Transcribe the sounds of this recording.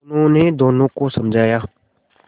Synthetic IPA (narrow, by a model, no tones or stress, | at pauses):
nõned̪oːnõkosɐmd͡ʒʱaːjaː